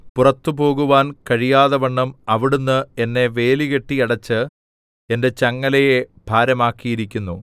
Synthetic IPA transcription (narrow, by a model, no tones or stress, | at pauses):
purɐt̪ːupo̞ːɣuʋaːnkɐɻijaːðɐʋɐɳːɐmɐʋiɽunːɨe̞nːe̞ʋe̞ːliɣeʈːiɐɽɐt͡ɕːɨ | e̞nde̞t͡ɕɐŋːɐlɐjeb̥ʱaːɾɐmaːkːijiɾikʲːunːu